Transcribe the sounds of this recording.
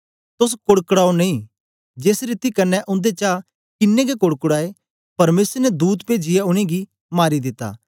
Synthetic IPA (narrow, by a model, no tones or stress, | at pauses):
t̪ʊs̬kʊɽkɽaːonɐĩ | d͡ʒeːsɾit̪ikɐnːɛʔʊ̃nd̪et͡ʃa | kɪnːeɡekʊɽkɽaːe | pɐɾmeːsəɾnɛd̪uːt̪peːd͡ʒɪjaʊɽ̃eɡi | maːɾid̪ɪt̪ːa̰ː